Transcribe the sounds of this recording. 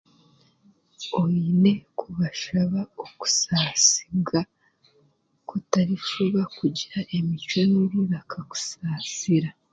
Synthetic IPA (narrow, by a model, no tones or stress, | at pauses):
oine̞kʰuβaʃaβaoku̥saːsi̥bɡa | kutaɾiʃoβakuɟiɾaʔe̞mit͡ʃwonuβiβakʰaku̥saːsiɾa